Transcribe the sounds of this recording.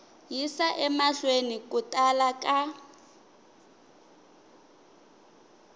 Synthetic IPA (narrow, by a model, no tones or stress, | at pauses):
jisaʔɛmaɬwenikʼutʼalakʼa